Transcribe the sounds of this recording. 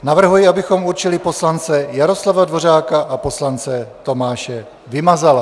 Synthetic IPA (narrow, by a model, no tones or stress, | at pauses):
navr̩ɦujɪabɪxo̞muɾt͡ʃɪlɪpo̞slant͡sɛjaɾo̞slavadvo̞r̝aːkaʔapo̞slant͡sɛt̪o̞maːʃɛ | vɪmazal